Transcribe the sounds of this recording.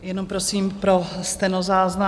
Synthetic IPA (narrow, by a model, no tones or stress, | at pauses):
jɛnompɾosiːmpɾost̪ɛnozaːzna